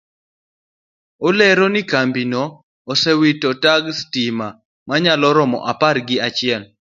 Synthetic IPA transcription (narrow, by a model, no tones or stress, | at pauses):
olɛɾɔnɪkambinoː | sɛwitɔtaɡstima | maɲalɔɾɔmɔ̰ʔaparɡɪat͡ʃɪɛl